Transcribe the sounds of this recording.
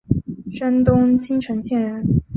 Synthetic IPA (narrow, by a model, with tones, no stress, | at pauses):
ʂa˥nt̪ʊ˥ŋt͡ɕʰi˥ŋʈ͡ʂʰɤ˧˥ŋɕjɛ˥˩nɻə˧˥n